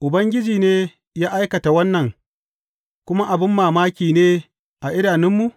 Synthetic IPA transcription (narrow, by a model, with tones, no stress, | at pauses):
ʔʊ˨bɐ˦ŋɡʲɪ˦d͡ʒiː˨neː˦ | jaː˦ʔa˦jkɐ˨ta˨wɐ˦nːɐ˨ŋ | kʷʊ˦ma˦ʔa˨bɪ˦mːaː˨maː˦kʲiː˨neː˦ | ʔa˨ʔɪ˦daː˨nɪ˦mːu˨